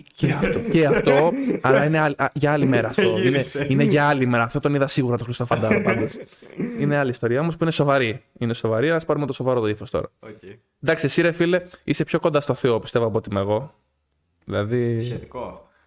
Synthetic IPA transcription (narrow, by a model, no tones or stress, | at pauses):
ceɐft̪oceɐft̪o̞ɐlɐineɐlʝɐɐlime̞ɾɐːft̪o̞ineineʝɐɐlime̞ɾɐːft̪ot̪o̞niðɐsiɣuɾɐt̪o̞xɾist̪ofɐnd̪ɐpɐnd̪osineɐliːst̪o̞ɾiɐo̞mospuineso̞vɐɾiineso̞vɐɾienɐspɐɾumet̪o̞so̞vɐɾot̪oifo̞st̪o̞̰ɾɐ̰o | nd̪ɐksesiɾefile̞ist̪epço̞ko̞nd̪ɐst̪o̞θeopist̪e̞voɐpot̪imeɣo̞ | ðilɐðiet̪ikoft̪o